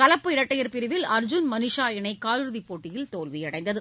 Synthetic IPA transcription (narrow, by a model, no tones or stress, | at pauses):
kɐlɐpːɯɪɾɐʈːɐjɐɾpɪɾɪʋɪlɐɾd͡ʒʊnmɐnɪʂaːjɐnɐɪkaːlɯɾɯðipːoːʈːɪjɪlt̪oːlʋɪjɐɽɐɪnd̪ɐðɯ